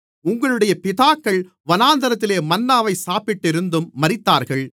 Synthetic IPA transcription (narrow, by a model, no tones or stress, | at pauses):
ʊŋɡɐɭɯɽɐjɐpɪðaːkːɐɭ | ʋɐnaːnd̪ɐɾɐt̪̬ːɪleːmɐnːaːʋɐɪsaːpɪʈːɪɾɯnd̪ɯmːɐɾɪt̪ːaːɾɣɐɭ